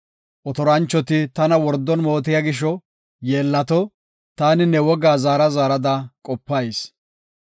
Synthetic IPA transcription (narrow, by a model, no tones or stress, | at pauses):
ʔɔt̪ɔɾɐnt͡ʃːɔt̪ɪt̪ɐnɐwɔɾd̪ːɔnmo̞ːt̪ɪjaɡɪʃ̬ɔ | jeːlːɐt̪ɔ | t̪aːnɪnɛwɔɡaːzaːɾɐzaːɾɐd̪ɐkʼɔpːɐjs